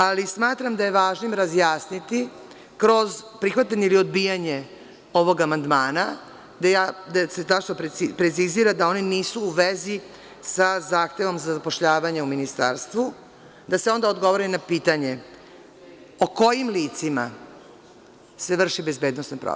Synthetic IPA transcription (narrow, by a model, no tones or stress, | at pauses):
alismaːt̪ɾamd̪aje̞ʋaːʒnimɾazjaːsnit̪i | kɾo̞zpɾixʋat̪aɲeilio̞d̪bijaɲe | o̞ʋo̞ɡamand̪maːna | d̪ajad̪aset̪at͡ʃnopɾpɾet̪siziɾad̪ao̞niniːsuːʋezi | sazaːxt̪e̞ʋo̞mzazapoʃʎaːʋaɲeuminist̪a̰ɾst̪ʋu | d̪aseo̞nd̪aod̪ɡo̞ʋoɾinapiːt̪aɲe̞ | oko̞jimliːt̪sima̰ | se̞ʋr̩ʃibe̞zbeːd̪nosnopɾo̰